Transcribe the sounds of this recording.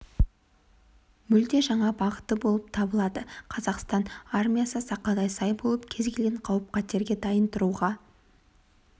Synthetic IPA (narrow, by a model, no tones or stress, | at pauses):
mʏld̪e̞ʒɑɴɑbɑʁət̪ːəbo̞lˠəp̚t̪ʰɑbəlˠɑd̪əqʰɑzɑqst̪ɑnarmʲijasəsɑqːɑd̪ɑjsɑjbo̞lˠəpkʲʰe̞zɡʲe̞lɡʲeɴqʰɑwəp̚qʰɑt̪e̞ɾɡʲe̞d̪ɑjənt̪əɾuʁɑ